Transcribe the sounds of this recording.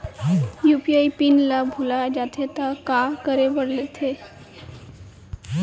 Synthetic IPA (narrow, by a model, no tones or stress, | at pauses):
jupiaipinlabʱulad͡ʒat̪ʰet̪akakəɾebəɽlet̪ʰe